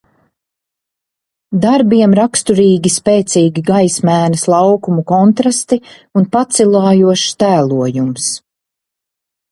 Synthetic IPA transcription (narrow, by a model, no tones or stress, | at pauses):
d̪aɾbiɛmɾakst̪uɾiːɡʲispɛːt̪siːɡʲiɡajsmæːnɐslˠɑwkumukɔnt̪ɾast̪iunpat̪silˠɑːjuɔʃt̪æːlˠuɔjums